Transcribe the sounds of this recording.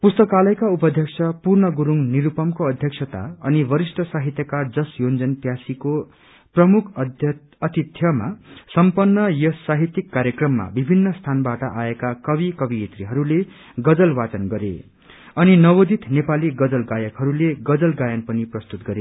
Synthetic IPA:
pust̪ʌkalʌjkaupʌd̪ʱjʌksʰʌpurnʌɡuɾuŋniɾupʌmkoʌd̪ʱjʌksʰʌt̪a̰ʌnibʌɾisʈʌsaɦit̪jʌkad͡zʌsjond͡zʌnpjasiko | prʌmukʰ | ʌt̪it̪ʰjʌma̰sʌmpʌnːʌjʌsaɦit̪jikːaɾjʌkrʌmːa̰bibʱinːʌst̪ʰanbaʈʌʔaekakʌbikʌbiet̪riɦʌɾule | ɡʌd͡zʌlbat͡sʌnɡʌɾḛ | ʌninʌwod̪it̪nepaliɡʌd͡zʌlɡajʌkɦʌɾuleɡʌd͡zʌlɡajʌnpʌniprʌst̪ut̪ɡʌɾe

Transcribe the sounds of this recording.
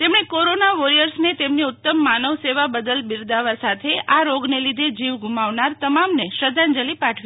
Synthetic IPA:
t̪emɳekoɾonaʋoɾijəɾsnet̪emniʊt̪ːəmːanəʋseʋabəd̪əlbiɾd̪aʋasat̪ʰeʔaɾoɡnelid̪ʱed͡ʒiʋɡʱumaʋnaɾt̪əmamneʃəd̪ʱand͡ʒəlipaʈʰʋi

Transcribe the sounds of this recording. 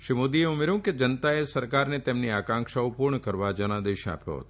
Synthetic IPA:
ʃimod̪ieumeɾũked͡ʒənət̪aesəɾkaɾnet̪emniakãŋkʃaupuɾɳəkəɾʋad͡ʒənãd̪eʃa̰pjo̰ɦə̰t̪o

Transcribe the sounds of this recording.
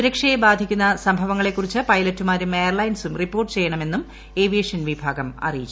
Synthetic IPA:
uɾɐkʂɐjebaːd̪ʱikʲːunːɐsɐmbʱɐʋɐŋːɐɭe̞kːurit͡ɕːɨpɐjlɐtːumaːɾumejɐrɭɐjnsumripːo̞ːrʈːɨt͡ɕe̞jːɐɳɐme̞nːum | e̞ːʋieʂɐnʋibʱaːɡɐmɐ̰rijit͡ɕː

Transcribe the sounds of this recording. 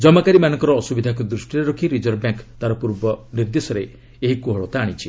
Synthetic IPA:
d͡ʒɔmakaɾimanɔŋkɔɾɔːsubid̪ʱakud̪ɾusʈiɾeɾokʰiɾid͡ʒɔɾbjaŋkt̪aɾɔpuɾbɔniɾd̪esɔɾe | eɦikuɦɔɭɔt̪aːɽ̃it͡ʃʰi

